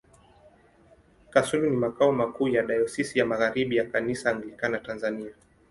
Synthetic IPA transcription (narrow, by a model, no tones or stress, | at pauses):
kasulunimakaɔmakuːjaɗajɔsisijamaɣaɾiɓijakanisaːŋɡlikanatanzania